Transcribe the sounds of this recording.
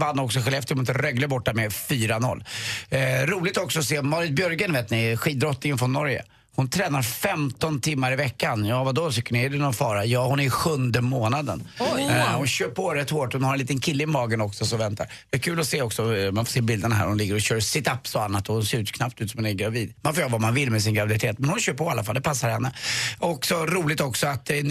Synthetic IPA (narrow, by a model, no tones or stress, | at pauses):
vanːaɾɔksɔɧɛlɛft̪əʊmɪt̪əɾœɡləbɔʈːamɛfyːɾanɔ̰lː | ɾuːlɪɡ̚t̪ɔksɔɔseːmɑːɾɪt̪̚bjœɾɡənveːt̪nɪɧiːd̪ɾɔt̪nɪŋənfɾɔnːɔɾjə̰ | hʊnt̪ʰɾɛːnaɾfɛmt̪ɔnt̪ʰɪmːaɾɪvɛkːanjɑːvad̪oːt̪ʰʏkːəɳɪɛd̪ɛnɔfɑːɾajɑːhʊnæɾɧɵnd̪əmoːnad̪ə̰n | hʊnɕøːpʰɔɾɛt̪ːhoːʈhʊnhaɾɛnliːt̪ənkʰɪlːəɪmɑːɡənɔksɔsɔvɛnt̪aɾd̪ɛɛkʰʉ̟ːlɔseːɔksɔmanfoːseːbɪld̪ənaɦæ̰ɾhʊnlɪɡːəɾɔɕøːɾsɪt̪apːsɔanːat̪ɔhʊnseːɾʉ̟ːt̪kʰnap̚t̪ʉt̪sɔmanɛɡɾaviːd̪manfoːjøːɾavamanvɪlːmɛs̬ɪnɡɾavɪd̪ɪt̪ʰeːt̪mɛnhʊnɕøːɾpʰɔalːafald̪ɛpʰasːaɾhɛnːəɔksɔɾuːlɪt̪ɔksɔat̪